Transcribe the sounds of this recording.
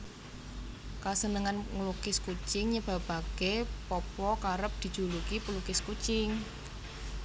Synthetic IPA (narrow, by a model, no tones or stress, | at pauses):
kasənəŋanŋlukɪskut͡ʃɪŋɲəb̥a̤b̥a̤ɡ̥epɔpɔkaɾəp̚d̪̥i̤d̥ʒ̥ṳlukipəlukɪskut͡ʃɪŋ